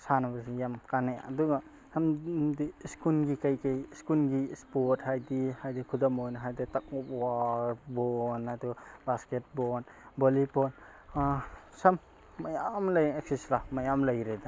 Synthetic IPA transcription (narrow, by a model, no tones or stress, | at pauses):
sanabasijamkanaja̰duɡa | samdiskulɡikajkajskulɡispɔt̚hajdihajdikʰudamojnɦajditak̚ɔp̚waɾbɔnadubasket̚bɔn | bolipɔn | sɐmː | ajamlajek̚sislamajamlajɾeda